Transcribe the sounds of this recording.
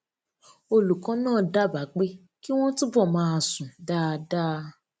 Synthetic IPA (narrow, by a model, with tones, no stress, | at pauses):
o˧lu˨kã˨˦nãː˦˨da˦ba˨˦k͡pe˦ | ki˦w̃ɔ̃˦tu˦bɔ˦˨mãː˨˦a˧˨sũ˨da˦˧da˦˧